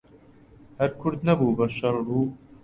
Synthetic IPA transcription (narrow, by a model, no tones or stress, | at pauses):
hɛɾkʰʊɾd̪nɐbuːbɐʃɐɾruː